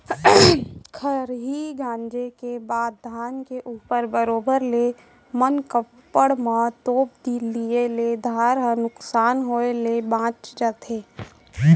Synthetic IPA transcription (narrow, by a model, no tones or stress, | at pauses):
kʰəɾɦiɡãːnd͡ʒekebaːd̪ʱaːnkeʔuːpəɾbəɾoːbəɾle | mənkəpːəɽmãt̪oːp̚d̪ilieled̪ʱaːɾɦənʊksaːnɦoelebãːt͡ʃd͡ʒat̪ʰeː